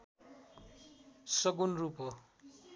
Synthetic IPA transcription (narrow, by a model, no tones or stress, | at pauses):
sʌɡunrupo